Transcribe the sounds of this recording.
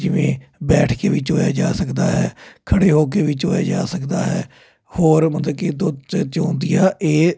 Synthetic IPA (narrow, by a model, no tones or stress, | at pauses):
d͡ʒɪʋḛ̃ːbɛːʈʰkeːʋiːt͡ʃoːja̰ːd͡ʒaːsəkd̪aːɦɛːkʰəɽeːɦoːk̬eːʋiːt͡ʃoːja̰ːd͡ʒaːsəkd̪aːɦɛː | hoːɾmət̪ləbkiːd̪ʊt͡ʃt͡ʃãːnd̪ɪjaːʔeː